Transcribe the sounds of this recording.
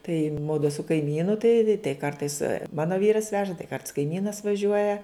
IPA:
tɐɪ ˈmʊdʊ sʊ kɐɪˈmʲiːnʊ tɐɪ tɐɪ ˈkɐrtɐɪs ˈmɑːnoː ˈʋʲiːrɐs ˈʋʲæːʒɐ tɐɪ kɐrts kɐɪˈmʲiːnɐs ʋɐˈʒʲuɔjɛ

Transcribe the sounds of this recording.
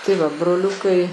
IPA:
tɐɪ ˈʋɐ broːˈlʲʊkɐɪ

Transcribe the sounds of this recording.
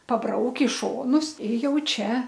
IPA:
pɐˈbrɐʊkʲ ɪ ˈʃoːnʊs ɪ ˈjɛʊ ˈt͡ʃʲɛ

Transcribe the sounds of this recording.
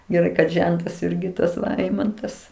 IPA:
ɡʲɛˈrɐɪ kɐt ˈʒʲɛntɐs ˈɪrʲɡʲɪ tɐs ˈɛɪmɐntɐs

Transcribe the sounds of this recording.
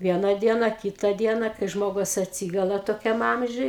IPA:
ˈʋʲiɛnɐ ˈdʲiɛnɐ ˈkʲiːtɐ ˈdʲiɛnɐ kɐɪ ˈʒmoːɡʊs ɐtʲˈsʲiːɡʊlˠɐ toːˈkʲɛm ˈɐmʲʒʲʊj

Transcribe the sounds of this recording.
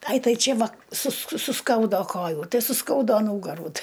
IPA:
ˈɐɪ ˈtɐɪ ˈt͡ʃʲeː ˈʋɐ sʊsk sʊˈskɐʊdoː ˈkoːjuː ˈtɐɪ sʊˈskɐʊdoː ˈnuːɡɐruː ˈtʲɪ

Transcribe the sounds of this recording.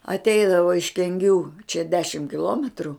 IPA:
ɐtʲˈɛɪdɐʋoː ɪʃ kʲɛŋʲˈɡʲuː t͡ʃʲɛ ˈdʲæːʃʲɪm kʲɪˈlˠoːmʲɛtrʊ

